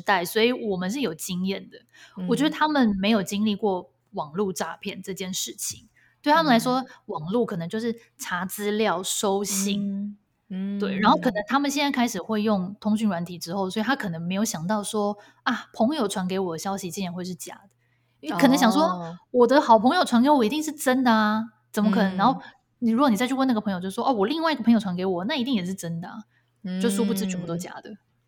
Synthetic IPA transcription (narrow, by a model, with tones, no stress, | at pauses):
t̪a˥˩ɪswɔ˧˥i˧˥wɔ˨˩mə˨nʂ̬ɻ̩˥˩jo˨˩ʊt͡ɕi˥ŋjɛ˥˩nd̪ə˩wɔ˨˩t͡ɕɥɛ˧˥d̪ə˧t̪ʰa˥mə˨nme˧˥ɪjo˨˩ʊt͡ɕi˥ŋli˥˧kwɔ˥˩ | wɑ˨˩ŋlu˥˧ʈ͡ʂa˥˧pʰjɛ˥˩˨nʈ͡ʂɤ˥˧t͡ɕjɛ˥˧nʂɻ̩˥˩t͡ɕʰi˨˦ŋ | t̪we˥˩ɪt̪ʰa˥ə˨la˧˥ɪʂ̬wɔ˥wɑ˨˩ŋlu˥˩kʰɤ˨˩ɤ˧˦ŋt͡ɕo˥˧ʂɻ̩˥˩ | ʈ͡ʂʰa˧˥t͡sɹ̩˥ljɑ˥˨ʊʂo˥ʊɕi˥˩ŋ | t̪we˥˩ɪɻa˧˥nxo˥˩ʊkʰɤ˨˩nə˧˦ŋt̪ʰa˥mə˨nɕjɛ˥˧nt͡sa˥˩ɪkʰa˥ɪʂɻ̩˨˩xwe˥˧ɪjʊ˥˩ŋt̪ʰʊ˥ŋɕy˥˩nɻwa˧˥nt̪ʰi˨˩ʈ͡ʂɻ̩˥xo˥˩ʊswɔ˧˥i˨t̪ʰa˥kʰɤ˨˩nə˧˦˥ŋme˧˥jo˧˥ʊɕjɑ˨˩ŋt̪ɑ˥˩ʊʂwɔ˥ | a˥˩pʰɤ˧˥ŋjo˨˩ʊʈ͡ʂʰwa˧˥nke˧˥ɪwɔ˨˩d̪ə˦ɕjɑ˥ʊɕi˨t͡ɕi˥jɛ˨nxwe˥˧ɪʂɻ̩˥˩t͡ɕja̰˧˥d̥̪ə̥˩˥˩ | k̪ʰə˦ŋɕjɑ˨ŋʂwɔ˥wɔ˨˩d̪ə˦xɑ˨˩ʊpʰɤ˧˥ŋjo˨ʊʈ͡ʂʰwa˧˥nke˧˥ɪwɔ˨˩i˧t̪i˥˧ŋʂ̬ɻ̩˥˩ʈ͡ʂə˥nd̪ə˨a˩ | t͡sə˨˩mə˦kʰɤ˨˩nə˧˦ŋɻxo˥˩ʊ | ni˨˩ɻu˥ɡɔ˧˩ni˨˩a˥˧ɪy˥˧wna˥˩ɡə˩pʰŋjʊt͡ɕo˥˧˩ʂ̩˥˩wɔ˥˩wɔ˨˩li˥˧ŋwa˥˧ɪi˧ɡəpʰɤ˧˥jo˨˩ʈ͡ʂʰa˧˥ke˧˥ɪwɔ˨˩na˥˩i˧˥t̪i˥˩ŋjɛ˨˩ʂɻ̩˥˩ʈ͡ʂə˥nd̪ə˨a̰˩ | t͡ɕo˥˧ʊʂu˥pu˥˩t͡s̩˥˩t͡ɕy˨˩pu˧˥t̪ɔ˥t͡ɕja̰˥d̪ə˨